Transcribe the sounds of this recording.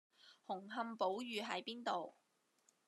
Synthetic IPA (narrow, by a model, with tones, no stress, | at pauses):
hʊ˨˩ŋɦɐ˧mpo˨˥wjyː˨˧ɦɐ˨˥jpiː˥nt̪o˨w